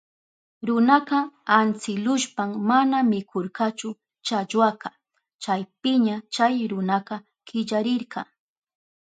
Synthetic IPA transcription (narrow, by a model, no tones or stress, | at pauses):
ɾʊnaqɑant͡sɪlʊʃpammanamɪkʰoɾqɑt͡ʃʊ | t͡ʃaʎwɑqɑ | t͡ʃajpɪɲat͡ʃajɾʊnaqɑ | kɪʎaɾɪɾqɑ